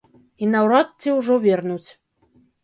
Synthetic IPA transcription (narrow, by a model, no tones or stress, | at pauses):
inawɾɑt̪̚t͡sʲːiwʐɔvʲernut͡sʲ